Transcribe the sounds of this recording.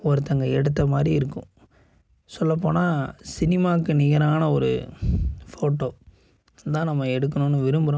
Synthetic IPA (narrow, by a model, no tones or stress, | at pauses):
ɔɾɯt̪ːɐŋɡɐɛɽɯt̪ːɐmaːd̪ɾiɪɾɯkːʊ̰̃ | sɔlːɐp̬ːoːnaːsɪnɪmaːkːɯnɪjɐɾaːnɐɔɾɯ | foːʈːoː | t̪ãːnɐmːɐɛɽɯk̬ːɐnʊnːɯʋɪɾɯmbɯɾõː